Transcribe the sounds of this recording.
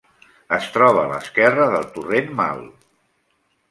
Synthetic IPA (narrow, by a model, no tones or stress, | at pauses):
əst̪ɾɔβ̞əːlə̰skɛrəðəlˠt̪urenma̰lˠ